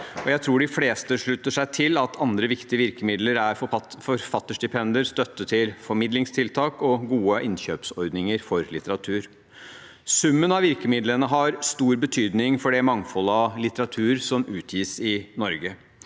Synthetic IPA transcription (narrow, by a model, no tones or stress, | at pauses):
ɔjæɪt̪ʰɾuːɖɪfleːst̪əʂɭʉt̪ːəʂæɪt̪ʰɪlɑt̪ʰɑnd̪ɾəʋɪkt̪ɪəʋɪɾkəmɪd̪ləɾæɾɔfɔɾfɑt̪ːəʂɖɪpʰɛnd̪əɾst̪œt̪ːət̪ʰːɪlfɔɾmɪd̪lɪŋst̪ʰɪlt̪ʰɑːkɔɡuːəʔɪnçøːpsɔɾd̪nɪŋəɾfɔɾlɪt̪əɾɑt̪ʰʉːɾ | sʉmːənɑʋɪɾkəmɪd̪lənəɦɑɾst̪uːɾbət̪ʰyːd̪nɪŋfɔɖɛmɑŋfɔlːəɑlɪt̪əɾɑt̪ʰʉːɾsɔmʉːt̪ʰjiːsɪnɔɾɡə